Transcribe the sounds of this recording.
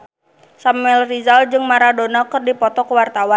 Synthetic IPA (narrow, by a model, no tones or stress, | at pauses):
samuɛlrizald͡ʒɨŋmaɾadonakɨrdipɔt̪ɔkəwart̪awan